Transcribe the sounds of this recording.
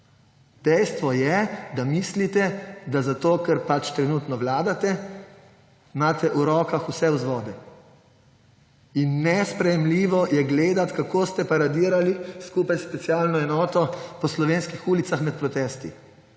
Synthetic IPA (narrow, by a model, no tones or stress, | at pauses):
d̪ɛjst̪ʋɔjɛd̪amislit̪ɛd̪azat̪oːkɛɾpat͡ʃt̪ɾɛnut̪nɔʋlaːd̪at̪ɛ | maːt̪ɛʔuɾɔːkaxusɛuzʋɔːd̪ɛ | inːɛspɾɛjɛmliːʋɔjɛɡleːd̪at̪kakoːst̪ɛpaɾad̪iːɾaliskupajspɛt̪sijaːlnɔɛnɔːt̪ɔpɔslɔʋeːnskixuːlit̪saxmɛt̪̚pɾɔt̪ɛst̪ḭ